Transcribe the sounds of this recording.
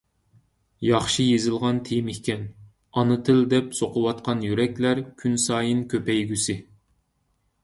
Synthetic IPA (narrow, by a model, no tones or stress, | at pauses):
jɑχʃɨjezɪlˠʁɑnt̪ʰejmɪhkʲɛn | ɑnɨt̪ʰɨld̪ɛpsoqʰʊwɑt̪̚qɑnjyɾɛkʲlæɾkʲʰynsɑːjɨnkʲʰøpɛjɡʲysɪ